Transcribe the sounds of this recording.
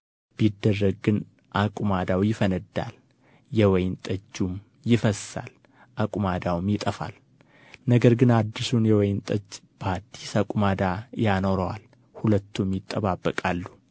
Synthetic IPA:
b̥id̪ːərːəɡ̚ɡɨn | ʔakʼumad̪awjɪfənəd̪ːa̰l | jɛwɔjnt̪ʼəd͡ʒːum | jɪfəsːa̰l | ʔakʼumad̪awmjɪt̪ʼəfa̰l | nəɡəɾɡɨnad̪ːisunjɛwɔjnt̪ʼət͡ʃːbʰaɾt̪ʰisakʼumad̪ajanoɾəwal | hulət̪ʰːumjɪt̪ʼːəβabːəkʼalːu

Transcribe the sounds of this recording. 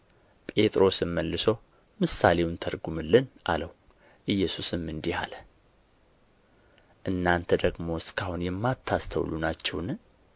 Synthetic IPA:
pʼe̞t̪ʼɾo̞sɨmːəlːɨsəw | mɨsale̞wnt̪ʰəɾɡumɨlːɨnʔa̰ləw | ʔɨjːɛsusɨmːɨnd̪iha̰lə | ʔɨnːant̪ʰəd̪əɡmo̞skʰahunjɛmːat̪ʰːast̪ʰə̰wlunat͡ʃːɛwn

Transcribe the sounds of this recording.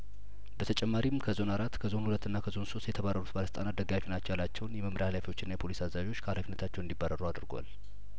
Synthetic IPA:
bət̪ʰət͡ʃʼɛmːaɾimkʰəzo̞naɾat̪kʰəzo̞nhulət̪ːɨnːakʰəzo̞nso̞st̪jɛt̪ʰəβarːəɾut̪baləsət̪ʼanat̪̚d̪əɡafinat͡ʃːɛwjalːat͡ʃːɛwnjɛməmɾʔeahalafiwo̞t͡ʃːɪnːajɛpʰo̞lisazaβiwo̞t͡ʃːkʰəhalafinːət̪ʰat͡ʃːɛwɨnd̪ibːaɾəɾuad̪ɾɡʷa̰l

